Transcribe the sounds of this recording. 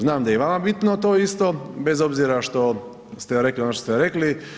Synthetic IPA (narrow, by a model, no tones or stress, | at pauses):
znaːmd̪ajeʋamabit̪not̪oːist̪o̞be̞zo̞bziːɾaʃt̪o̞ | st̪eɾe̞klionoʃt̪ost̪eɾe̞kli